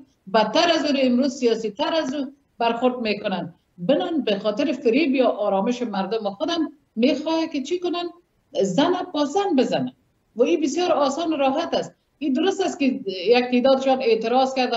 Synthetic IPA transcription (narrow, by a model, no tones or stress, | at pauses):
bat̪ːaɾazuɾaɪmɾuzsijɔsit̪aɾazu | baɾxʊɾd̪mekʊnan | bɪnɔnbexɔt̪ɪɾɪfɪɾibjɔʔɔɾɔmɪʃɪmaɾd̪ʊmɪxʊd̪an | mexɔjakɪt͡ʃikʊnan | zanapɔsanbɪzana | waibɪsjɔɾɔsɔnʊɾɔɦat̪ast̪̚ | id̪ʊɾʊst̪askɪjak̚t̪ed̪ɔd̪ɪʃɔnet̪ɪɾɔzkaɾd̪a